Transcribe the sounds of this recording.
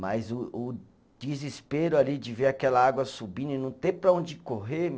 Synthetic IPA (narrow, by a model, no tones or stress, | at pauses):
majzʊʊ | d͡ʒizispeɾʊalid͡ʒɪveɾakɛlɐaɡwɐsubĩnɐɪnɐ̃w̃t̪epɾɐõd͡ʒɪkoɦem